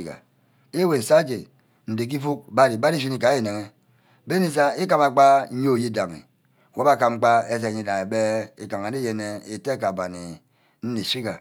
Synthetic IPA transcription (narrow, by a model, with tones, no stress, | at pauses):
i˨ka̰˨ | e˦we˨n̩˨sa˦d͡ʒe˨ | n̩˨de˨k̬i˦fu˦k̚ba˦ɾi˨ba˦ɾi˦s̬i˦ni˨ka˨˦e˨ne˨ŋe˦ | be˦ni˦s̬a˦e˦ka˦ma˨k͡pa˦ɲ˦o˦˨ji˦da˨ŋḭ˨ | wo˦ba˦ka˨m̩˦k͡pa˦e˦s̬e˨ɲi˦˨da˨ŋe˨be˦e˨ka˨ŋa˨ni˦je˨ne˦e˨te˦˨ka˨ba˨ni˨ | n̩˦ni˨si˦ka˨